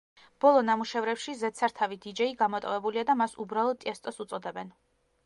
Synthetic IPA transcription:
b̥ɔlˠɔnamuʃɛvɾɛpʃizɛt̪sʰaɾt̪ʰavid̪id͡ʒɛiɡamɔt̪ʼɔvɛbuliad̪amasubɾalˠɔd̪ʼɛst̪ʼɔsut̪sʼɔd̪ɛbɛn

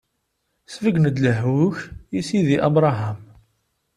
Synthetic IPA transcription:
svəɡnəd̪ləɦuçjisiðiʔɑbɾˤɑɦam

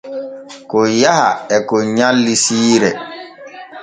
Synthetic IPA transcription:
kɔjaha̰ɛkɔɲalːisiːɾɛ

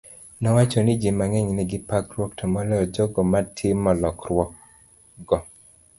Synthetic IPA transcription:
nɔwat͡ʃɔnid͡ʒimaŋɛɲnɛɡɪpakɾwɔktʰɔmɔlɛɔd͡ʒɔɡɔmatʰɪmɔlɔkrwɔk | ɡɔ

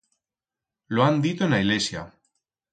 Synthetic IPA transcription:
loand̪it̪oenaiɣlesja

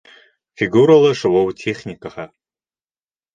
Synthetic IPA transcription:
fiɡuɾɐlɐʂɨwowtʰeχʲnʲikaħa

